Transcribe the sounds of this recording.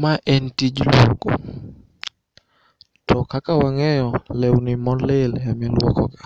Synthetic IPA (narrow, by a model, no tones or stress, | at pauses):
maʔɛntid͡ʒlɔɡɔ̰ | tʰɔkakawaŋɛjɔlɛwnimɔleljamɛlwɔkɔka